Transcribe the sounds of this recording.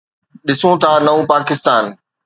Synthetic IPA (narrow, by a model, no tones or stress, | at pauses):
ɗɪsũt̪ʰaːnɐũpaːkɪst̪aːn